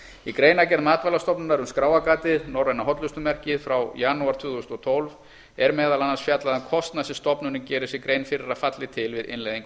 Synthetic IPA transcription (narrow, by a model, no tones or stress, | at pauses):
ikɾeːjnacɛɾðmaːt̪valast̪ɔpnʏnaɾʏnskɾaːwakaːt̪ɪðnɔwɾajnaɦɔt̪lʏst̪ʏmɛr̥cɪðfɾawjanuaɾt̪ʰvʏːðust̪ɔt̪ʰowlv | ɛɾmɛːðalanːansfjat̪laðakʰɔst̪nasɪst̪ɔpnʏnːɪcɛːɾɪsɛkɾeːjnfɪɾɪɾaðfat̪lɪt̪ʰɪlvɪðɪ̰nlejðiŋk